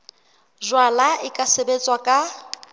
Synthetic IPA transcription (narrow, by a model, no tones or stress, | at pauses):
zwalaɪkʼasebet͡sʼwakʼa